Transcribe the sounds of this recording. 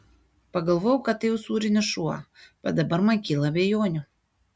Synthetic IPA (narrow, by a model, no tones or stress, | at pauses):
pɐɡɐlˠʋoːjɛʊkɐt̪t̪ːɐɪjɛʊsuːɾʲɪnʲɪʃuɐb̥ʲɛt̪̚d̪ɐbɐɾmɐnkʲiːlˠɐːbʲejoːnʲʊ